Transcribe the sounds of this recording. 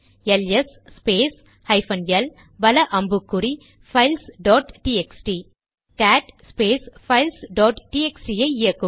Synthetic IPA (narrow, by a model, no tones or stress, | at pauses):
ɛljɐsspeːs | hɐɪfɐnjɐl | bɐlɐʔɐmbɯkːɯɾi | fɐɪlsɖoːʈʈiɛksʈi | kaːʈspeːsfɐɪlsɖoːʈʈiɛksʈijɐɪɪjɐkːɯ